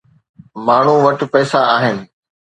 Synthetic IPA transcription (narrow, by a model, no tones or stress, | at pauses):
maːɳ̤ũʋɐʈ̆pɛːsaaːɦɪnɪ̆